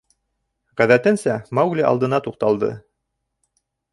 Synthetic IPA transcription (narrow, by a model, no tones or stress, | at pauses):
ʁæðæt̪ɘnsæmɑwɡlʲiʔɑ̰lˠd̪ɤ̆nɑt̪uq̚t̪ɑlˠd̪ɤ̰